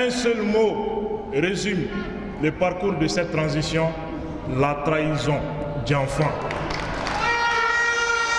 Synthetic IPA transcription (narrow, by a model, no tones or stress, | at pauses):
ɛ̃sœlmoɾezym | lɛpaɾkuɾd̪əsɛt̪̚ːɾãzisjɔ̃ | lat̪ɾaizɔ̃ | d͡ʒãfã